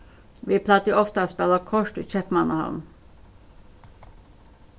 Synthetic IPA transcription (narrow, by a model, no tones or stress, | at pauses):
ʋiːpʰlɑːt̪əʊɔft̪əɑspɛlɑkʰɔʃʈʉːc͡çɛpmɑnɑhɑ̰m